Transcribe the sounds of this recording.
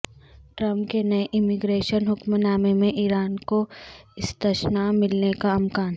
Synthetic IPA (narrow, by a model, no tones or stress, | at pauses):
ʈɾɐ̃mpkenɐʔɪmɪɡɾeːʃənɦʊkmnaːmemẽʔiːɾaːnkoɪst̪əʃnamɪlnekaɐmkaːn